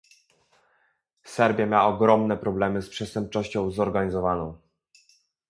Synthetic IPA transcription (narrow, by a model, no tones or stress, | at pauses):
sɛɾbʲjamʲjaɔɡɾɔmnɛpɾɔblɛmɘspʂɛst̪ɛmp̚t͡ʂɔɕt͡ɕɔ̃w̃zɔɾɡaɲizɔvanɔ̃w̃